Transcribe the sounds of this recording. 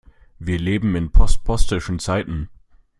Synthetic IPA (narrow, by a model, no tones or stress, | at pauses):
viːɐleːbm̩ɪnpʰɔst̚pʰɔstɪʃn̩t͡saɪtn̩